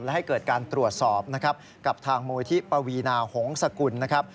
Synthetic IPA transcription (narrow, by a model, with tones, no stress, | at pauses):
lɛ˦˥ha˥˩jkɤː˨˩t̪̚kaː˧nt̪ɾu˨˩ət̪̚sɔː˨˩p̚na˦˥kʰɾp̚ | ka˨˩p̚t̪ʰaː˧ŋmuː˧t̪ʰi˦˥pɾa˧wiː˧naː˧ho˩˦ŋsa˧ku˧nːa˦˥kʰa˦˥p̚